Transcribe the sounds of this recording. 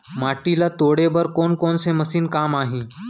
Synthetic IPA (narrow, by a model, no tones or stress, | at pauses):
maʈilat̪oɽebəɾkonkɔnseməsiːnkamaɦĩ